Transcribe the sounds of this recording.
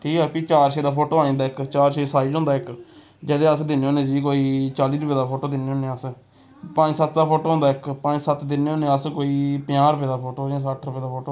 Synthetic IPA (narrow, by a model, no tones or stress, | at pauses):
ʈʰiːkaːpiːt͡ʃaːɾʃeːd̪aːpʰoːʈoːaːẽːd̪aːɪkt͡ʃaːɾʃeːsaːid͡ʒɦõnd̪aːɪk | d͡ʒəːd̪eːəsd̪ɪnːeõːnẽːd͡ʒiːkoːiːt͡ʃaːliːɾʊpeːd̪aːpʰoːʈoːd̪ɪnːeːoːnẽːəs | pə̃ɲd͡ʒsət̪d̪aːpʰoːʈoːɦõnd̪aːɪkpə̃d͡ʒsət̪d̪ɪnːeõːnẽːəskoːiːpjãːɾəpeːd̪aːpʰoːʈoːd͡ʒãːs̬əʈʰɾəpeːd̪aːpʰoːʈoː